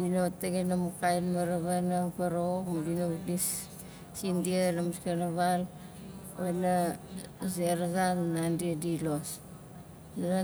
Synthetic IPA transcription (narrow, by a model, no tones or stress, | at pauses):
dinoteɡenamukajnmaɾaβanaŋpaɾomudinodisː | indianamuskenaβal | βana | zeɾaɡanːandidilos | aa